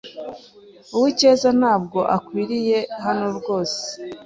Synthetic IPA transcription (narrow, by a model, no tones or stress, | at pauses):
uwice̞ːzan̥aːb̚ɡo̞ʔakwiːɾije̞ɦanoɾɡo̞ːse̥